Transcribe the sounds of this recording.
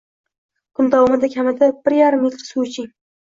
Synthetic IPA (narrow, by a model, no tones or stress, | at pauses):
kʰʊnd̪awɒmɪd̪akʲʰamɪd̪ab̥ɪɾjaɾɨmjɪt̪sut͡ʃʰɪŋ